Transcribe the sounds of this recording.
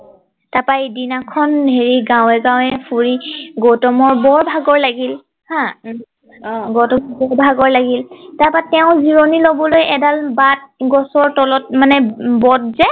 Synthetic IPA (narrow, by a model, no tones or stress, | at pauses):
taɹpadinakʰɔnɦeɹiɡãw̃ɛɡãw̃ɛpʰuɹiɡowtɔmɔɹbɔɹbʱaɡɔɹlaɡil | hã | ɡotɔmɔbɔɹbʱaɡɔɹlaɡiltaɹpatɛʊ̃ziɹonilobɔlojɛdalbat̚ɡɔsɔɹtɔlɔt̚manɛbɔt̚zɛ